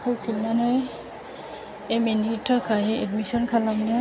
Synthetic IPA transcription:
kukʰilːanɛ | emenitʰɔkʰaɦiɛdmisɔnkʰalamnɛ

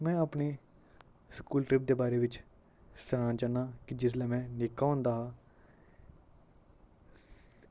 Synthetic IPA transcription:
mɛ̃ːəpneː | skuːlʈɾɪp̚d̪eːbaːɾeːʋɪt͡ʃ | səɾãːt͡ʃaːnːaːkɪd͡ʒɪs̬lɛːmɛ̃ːnɪkːaːʊ̃nd̪aːɦaː

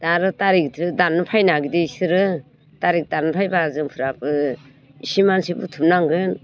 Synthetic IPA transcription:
d̥aɾɯtaɾik̚tʰɯdanːɯpʰajnaɡideisɯɾɯ | taɾik̚danɯpʰajbazɯŋpʰɯɾapɯ | isimansibṵtʰup̚naŋɡɯn

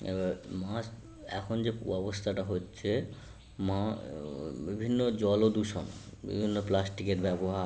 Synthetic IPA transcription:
ḛbamas | ɛ̰kʰond͡ʑeuɔbost̪ʰaʈaɦotːɕʰe | ma | bibʱinːod͡ʑɔlod̪uʃonbḭbʱinːoplasʈikeʈbɛboɦa

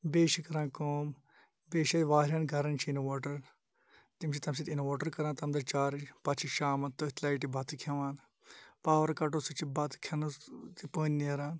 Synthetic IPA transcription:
beːʃikɐɾãːnkoːm | beːʃɐʋaːɾʲjaːnɡʱɐɾɐnt͡ʃʰiinoʋoːʈɐɾ | t̪imt͡ʃʰit̪ɐmsit̪inoʋoːʈɐɾkɐɾãːnt̪ɐmd̪ɐɾt͡ʃaːɾpɐt͡ʃʰiʃaːmɐt̪ɐt̪laːiʈ̬ibʱɐt̪ɨkʰɐʋaːn | paːʋɐɾkɐʈ̬oːsut͡ʃʰibɐt̪kʰɐnt̪ipəːnniɐɾaːn

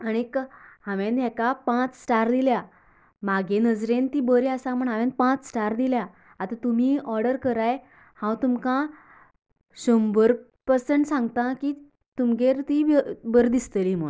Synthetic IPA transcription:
aɽ̃ikhãʋẽnd̪jɛkapãt͡ssʈaɾd̪ilja | maɡenəd͡zɾent̪iːbəɾiasãm̤əɳɦãʋẽn̚pãt͡ssʈaɾd̪ilja | at̪ãt̪um̤iːɔɾɽɖəɾkəɾaj | hãwt̪umkã | ɕombəɾ | pəsəɳʈsãŋɡt̪ãki | t̪umɡeɾt̪iəbəɾd̪ist̪əlim̤əɭ

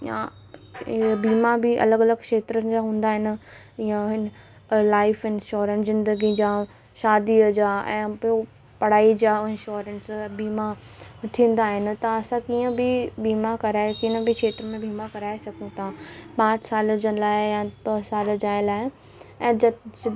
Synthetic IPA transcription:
ja̰ | biːmabɪʔɐ̰ləɡɐləɡkʃeːt̪ɾənɪ̆d͡ʑaɦũːnd̪aːɦɪnɪ̆ | ɪãɦɪn | laːɪfɪ̃nʃoːɾə̃nzɪ̃nd̪əɡid͡ʑaː | ʃaːd̪iəd͡ʑaːɛ̰̃ːpo | pɐɽ̤aːid͡ʑaːɪ̃nʃoːɾənsbiːma | t̪ʰĩːn̆d̪aːɦɪnɪ̆t̪ɐɐsãkiːə̃bɪbiːmakɐɾaːkɪə̃bɪkʃeːt̪ɾəmẽbʱiːmakɐɾaːesɐkʰũt̪ʰabaːɾsaːld͡ʑənlaːɪjabɐsaːld͡ʑaːɪlaːɪ | ɛ̃ː

